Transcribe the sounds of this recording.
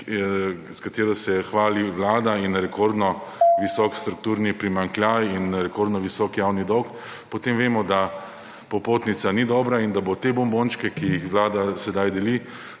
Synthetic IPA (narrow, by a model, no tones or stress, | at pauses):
skat̪eːɾɔsɛxʋaːliʋlaːd̪ainɾɛkoɾd̪nɔ | ʋisɔkst̪ɾuk̚t̪uːɾnipɾimaŋklʲjaːjinɾɛkoɾd̪nɔʋisɔːkjawnid̪ɔk | pɔt̪emʋeːmɔd̪a | pɔpoːt̪nit̪sanid̪ɔːbɾaind̪abot̪ebɔmbont͡ʃkɛkijixʋlaːd̪asɛd̪ajd̪ɛli